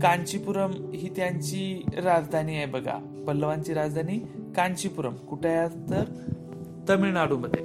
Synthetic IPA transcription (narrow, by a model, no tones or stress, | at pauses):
kãɲt͡ɕipuɾəmɦiːt̪jaɲt͡ɕiɾad͡zd̪ʱaniːajbəɡa̰ | bəlːəʋaɲt͡ɕiːɾad͡zd̪ʱaniːkaɲt͡ɕipuɾəmkuʈʰajat̪əɾ | t̪əmiɭnaɽuːməd̪ʱje